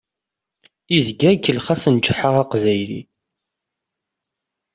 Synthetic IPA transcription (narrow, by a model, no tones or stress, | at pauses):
izɡækːəlχasənt͡ʃːəħəʁaqvæjlḭ